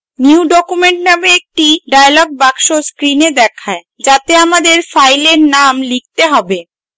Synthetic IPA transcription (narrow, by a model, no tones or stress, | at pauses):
niuɖɔkumeɳʈnameek̚ʈiɖajalɔɡ̚bakʃoskɾined̪ɛkʰae | d͡ʑat̪eamad̪eɾfajleɾnamlik̚t̪eɦɔbe